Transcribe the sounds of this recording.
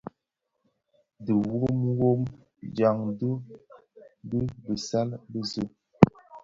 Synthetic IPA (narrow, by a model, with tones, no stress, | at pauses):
də˨wo˦m˦wo˦m | d͡ʒa˨ŋdə˦ | bə˦bə˨sa˦lbə˦zə˦